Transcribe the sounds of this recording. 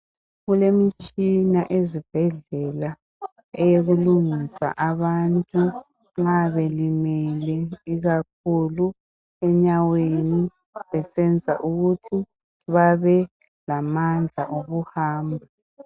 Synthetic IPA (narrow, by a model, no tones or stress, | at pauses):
ɣulemit͡ʃʼinaʔezib̥ʱɛɮɛla | ɛjeɣuluŋisa̰ʔaβantʼu | ŋ͡ǁaβelimɛlɛiɣak̚ʰulu | ɛɲaweni | βɛsɛnd͡zʱa̰ʔuɣutʰi | βaβɛ | lamand͡ɮʱaʔoɣuhaːmbʱa